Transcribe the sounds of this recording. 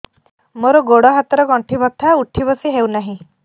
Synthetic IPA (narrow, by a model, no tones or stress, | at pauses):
moɾɔɡoɽɔɦat̪ɔɾɔɡɔɳʈʰibɔt̪ʰauʈʰibɔsiɦewnaɦĩ